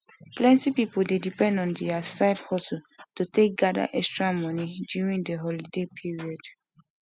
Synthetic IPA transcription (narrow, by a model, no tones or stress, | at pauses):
plɛ̃ntipipoldedipɛ̃ndɔ̃ndɛasaɪdhɔsultotek̚ɡada̰ʔɛkstɹamɔnidjuɹĩŋdeɦɔlidepʰiɹiɔd